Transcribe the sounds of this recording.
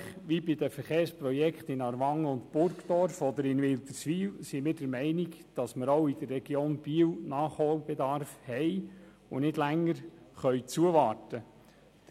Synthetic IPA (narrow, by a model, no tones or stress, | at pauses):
χʋibɪd̪əfəɾχeːɾsprɔjɛkχt̪ɪnɑɾʋɑŋːəʊntb̥ʊɾkd̥̪ɔɾfɔd̪əɾɪnʋɪlt̪əɾsʋiːlsimɪːɾdəɾmɛɪnɪkd̥ɑsməɾoʊid̥̪ərːɛɡjoːnb̥iəwnɑːχhoːlb̥ed̪ɑɾfhɛj | ʊnɪdlæŋːəɾχœʏt͡suəʋɑːtə̥